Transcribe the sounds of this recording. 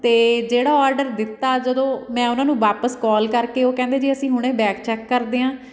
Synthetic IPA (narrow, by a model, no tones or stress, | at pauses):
t̪eːd͡ʒeːɽaːɔːɾɖəɾd̪ɪt̪ːaːd͡ʒəd̪õːmɛ̃ːʊnãːnũːʋaːpəskɔːlkəɾkeːoːkɛ̃ːnd̪eːd͡ʒiəsĩːɦʊɽ̃ẽːbɛːkt͡ʃɛːkːəɾd̪eːãː